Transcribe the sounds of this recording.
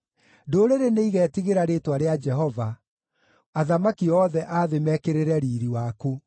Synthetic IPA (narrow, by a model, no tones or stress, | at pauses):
doːɾeɾeneiɣɛːtiɣeɾaɾetwaɾead͡ʒɛɦɔva | aðamakiɔːðɛʔaðemɛkeɾeɾɛɾiːɾiwaku